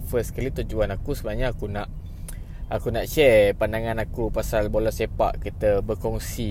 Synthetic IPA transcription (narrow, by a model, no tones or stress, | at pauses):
fəskalit̪ud͡ʒuanakusəbənaɲaːkunaʔ | akunaʔt͡ʃɛpandaŋãnakupasalbolɔsepa̰ʔkit̪əbəkɔŋsi